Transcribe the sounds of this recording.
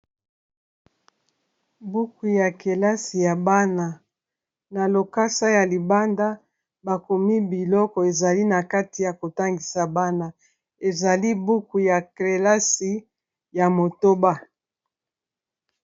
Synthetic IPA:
bu˦ku˨ja˨ke˨la˦si˨ja˨ba˦na˨ | na˨lo˨ka˦sa˦ja˨li˨ba˦nda˦ | ba˨ko˨mi˦bi˨lɔ˦kɔ˨e˨za˨li˦na˨ka˦ti˨ja˨ko˨ta˦ŋɡi˨sa˨ba˦na˨ | e˨za˨li˦bu˦ku˨ja˨ke˨la˦si˨ | ja˨mo˨to˦ba˦

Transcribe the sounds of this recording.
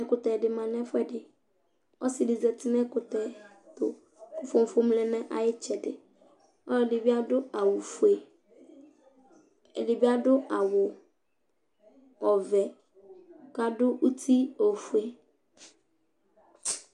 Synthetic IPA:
ɛ˨kʊ˨tɛ˨dɪ˨mã˨nɛ̃˦fʊ˦ɛ˦dɪ˨ | ɔ˦sɪ˨dɪ˨zɛ˨tʰɪ˦nɛ̃˦kʊ˨tɛ˨ | tʊ̰˨ | kʊ˨fʊ̃˨m̩˨fʊ˦m˦lɛ˨nɛ̃˦ʔa̰˨jɪ˦t͡ʃʰɛ˨dɪ˨ | ɔ˦˨dɪ˨bɪ˦a˦dʊ˦a˨wʊ˨fu˨e˨ | ɛ˨dɪ˨bɪ˦a˦dʊ˦ʔa˨wʊ˨ | ɔ˨vɛ˨ | ka˨dʊ˦ʔu˦tʰi˦o˨fu˨˦e˦

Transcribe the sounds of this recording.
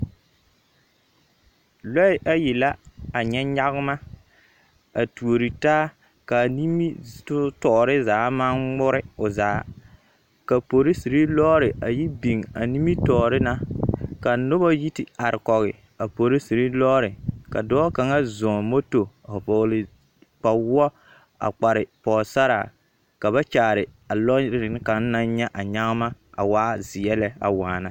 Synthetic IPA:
lɔ˦ɪ˦ʔa˦jɪ˨la˦a˨ɲɛ˦ɲa˦ɣɪ˦ma˦ | a˨tu˨o˨ɾi˨taː˦ | ka˨ni˦mi˦tʊ˦tɔ˨ʔɾɪ˦zaː˨˦ma˦ŋ͡mʊ˦ɾɪ˦ʊ˨za̰ː˨˦ | ka˨po˨ɾɪ˦si˨ɾi˦lɔː˦ɾɪ˨ʔa˨ji˦bi˨ŋa̰˨ni˦mi˦tɔː˨ɾɪ˦na˦ka˨nʊ˦ba˦ji˦tɪ˨a˨ɾɪ˨kɔ˨ɣɪ˨ | a˨po˨ɾi˦si˨ɾi˦lɔ˦ɾɪ˨ka̰˨dɔː˦ka˨ŋa˦zɔ̃ː˨mo˦to˨pɔ˨ɣlɪ˨ | k͡pa˨wɔ˦ | a̰˨k͡pa˨ɾɪ˨pɔː˨sa˦ɾa̰˨ | ka˨βa˦t͡ʃaː˨ɾɪ˨ | a˨lɔ˦ɾɪ˦ɪ˨n˦ka˨˦ŋ˦na˦ɲɛ˦ʔa˨ɲa˦ɣma˦a̰˨waː˦zɪ˨jɛ˦lɛ˦a̰˨waː˨na˨

